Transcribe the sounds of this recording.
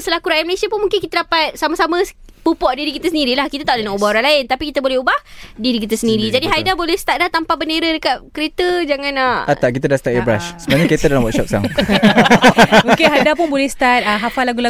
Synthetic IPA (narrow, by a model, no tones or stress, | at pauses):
səlakuɾaɛməlesiapʊnmuŋkɪnkit̪adapat̪̚samasamə̃ | pupɔʔdiɾikit̪əsəndiɾilahkit̪at̪aʔlənaʔubahoɾaŋlaɪnt̪apikit̪abolɛhubahdiɾikit̪əsəndiɾid͡ʒadiɦadabolɛhst̪at̪̚laht̪ampabəneɾadəkat̪̚kəɾet̪əd͡ʒaŋãnaat̪aʔkit̪adahsət̪aʔ̪ebɾa̰ʃsəbaaɲakɾet̪adalamwɔt̪sɔp̚sa̰ŋ | okeɦajdapʊnbolɛhst̪at̪̚əɦafalaɡula